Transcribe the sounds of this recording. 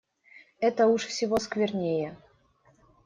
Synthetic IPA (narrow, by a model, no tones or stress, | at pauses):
ɛt̪əuʂfsʲɪvoskvʲɪrnʲejə